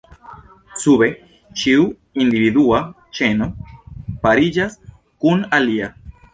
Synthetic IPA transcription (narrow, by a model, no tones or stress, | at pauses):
suβe | t͡ʃiu | ind̪iβiðua | t͡ʃenopaɾiʎas | kunalia